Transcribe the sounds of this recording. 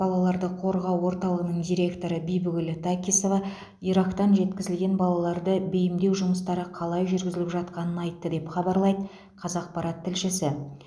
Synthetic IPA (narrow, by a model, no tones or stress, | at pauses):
b̥ɑlˠɑlˠɑɾd̪əqʰo̞ɾʁɑwːo̞ɾt̪ɑlˠəʁənəɴd̪ijɾe̞kt̪o̞ɾəbijbʊɡʲɪlɪt̪ʰakʲisovɑ | iɾɑkt̪ɑnʒe̞t̪kʲɪzɪlɡʲe̞nbɑlˠɑlˠɑɾd̪əbejɪmd̪e̞wʒʊməst̪ɑɾəqʰɑlˠɑjʒʏɾɡʲɪzɪlɪpʒɑt̪̚qɑnənɑjt̪ːəd̪e̞pχɑbɑɾlˠɑjd̪ə | qʰɑzɑq̚pɑɾɑt̪ʰːɪlʃɪsɪ